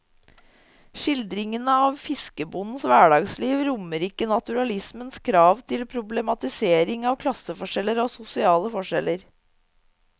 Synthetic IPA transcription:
ʂɪld̪ɾɪŋənəɑːʋfɪskəbʊnn̩sʋæːɖɑːɡsliːʋɾʊməɾɪkːənɑt̪ʉɾɑlɪsmənskʰɾɑːʋt̪ʰɪlpʰɾʊblɛmɑt̪ɪseːɾɪŋɑːʋkʰlɑsəfɔʂɛləɾoːsʊsɪɑːləfɔʂɛləɾ

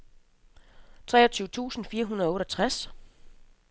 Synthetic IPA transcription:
t͡sʰʁɛːɒ̽t͡sʰyːʊt͡sʰṵːsn̩fiːɐɦunɐɔ̽ːɾ̥ɒt͡sʰʁas

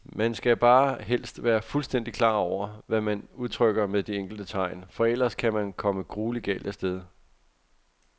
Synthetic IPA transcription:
mænsɡ̥æb̥ɑ̈ːɦel̰sd̥ʋæːɐfulsd̥en̰d̥ikʰlɑ̈ːɒʊ̰ɐʋæmænuð̞ˠt͡sʰʁœɡ̥ɐmeðˠd̥ieŋ̰ɡ̥l̩d̥ət͡sʰɑ̈ɪnfɒ̽el̰ɐskʰæmænkʰɒ̽məɡ̥ʁuːliɡ̥ɛ̰ːld̥æsd̥eð̞ˠ

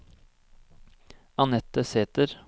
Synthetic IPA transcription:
ɑnɛt̪əseːt̪əɾ

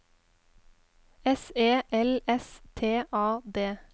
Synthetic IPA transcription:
ɛseːʔɛlɛst̪ʰeːʔɑːd̪eː

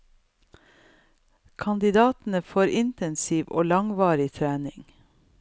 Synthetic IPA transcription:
kʰɑnd̪ɪd̪ɑːt̪n̩əfoːɾʔɪnt̪ɛnsiːʋʔo̰ːlɑŋʋɑːɾɪt̪ʰɾæːnɪŋ

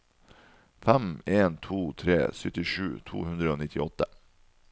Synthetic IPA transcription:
fæmeːnt̪ʰuːt̪ʰɾḛːsœt̪ɪʃʉ̰ːt̪ʰṵːhʉnd̪ɾəoːnɪt̪ʰɪɔt̪ə

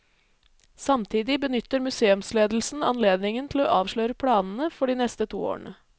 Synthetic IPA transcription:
sɑmt̪ʰiːd̪ɪbənʏt̪ːəɾmʉseːʉmsleːd̪l̩sn̩ɑ̰nleːd̪nɪŋənt̪ʰɪloːʔɑːʋʂlœʏɾəpʰɽɑːnn̩əfɔɖiːnɛst̪ət̪ʰṵːo̰ːɳə

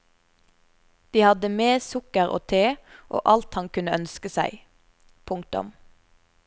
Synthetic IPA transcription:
d̪̥iːhɑd̪əmeːsʊkəʁo̰ːt̪ʰeːʔo̰ːʔɑlt̪hɑŋkʉnəœnskəsæɪ | pʰʊŋk̚t̪ʊ̰m

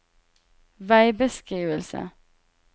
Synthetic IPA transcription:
ʋæɪbəskʁiːʋəlsə̰

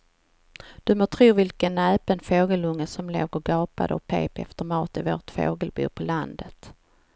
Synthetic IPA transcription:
d̪̥ɵmoːt̪ʰɾuːvɪlkənɛːpənfoːɡəlɵŋːəsɔmlo̰ːɡəɾɡɑːpa̰d̪əɔkpʰḛːpɛ̰ft̪əɾmɑːt̪ɪvoːʈfo̰ːɡəlbṵːpʰɔland̪ət̪

